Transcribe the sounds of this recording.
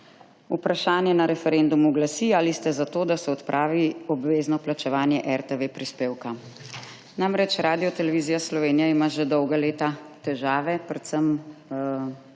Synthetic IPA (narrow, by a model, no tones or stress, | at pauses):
upɾaʃaːnjɛnaɾɛfɛɾeːnd̪umuɡlasialist̪ɛzat̪oːd̪asɛɔt̪pɾʔaːʋiɔbʋeːznɔplat͡ʃɛʋaːnjɛʔɛɾt̪ɛʋepɾispeːwka | namɾɛt͡ʃɾaːd̪ijɔt̪ɛlɛʋiːzijaslɔʋeːnijaimaːʒɛd̪ɔwɡaleːt̪at̪ɛʒaːʋɛpɾɛt̪səm